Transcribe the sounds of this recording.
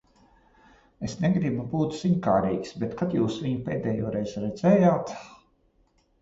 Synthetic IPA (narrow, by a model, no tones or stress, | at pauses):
esnɛɡɾibubuːt̪ziɲkaːɾiːksbɛt̪kat̪juːsviɲupeːd̪ɛːjuɔːɾejzɾɛd̪zɛːjaːt̪